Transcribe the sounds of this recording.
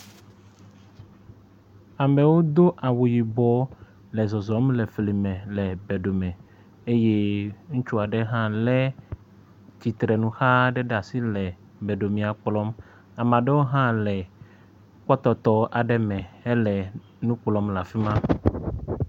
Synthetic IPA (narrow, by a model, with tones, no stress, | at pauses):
a˨mɛ˨wo˦d̪o˦ʔa˨wu˨ji˨bɔ˨˦ | lɛ˨zɔ˨zɔ˨˦mlɛ˨fli˨mɛ̃˨lɛ˨bɛ˨ɖo˨mɛ̃˨ | e˦je˦ŋũ˦t͡ʃu˦a˨ɖɛ˦ɦã˦lɛ˦ | t͡ɕi˨t̪ɾɛ˨nũ˦xa˦ɖɛ˦ɖa˨si˦lɛ˨ | bɛ˨ɖo˨mĩ˨a˨k͡plɔ˦m | a˨mã˨ɖe˦wo˦ɦã˦lɛ˨ | k͡pɔ˦t̪ɔ˨t̪ɔ˦ʔa˨ɖɛ˦mɛ̃˨ɛ˦lɛ˨ | nũ˦k͡plɔ˦mla˨fi˦mã˦